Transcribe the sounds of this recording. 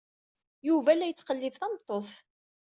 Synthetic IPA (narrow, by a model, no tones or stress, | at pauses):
juvælːæjət͡sːqəlːɪvθæmt̪ˤːoθ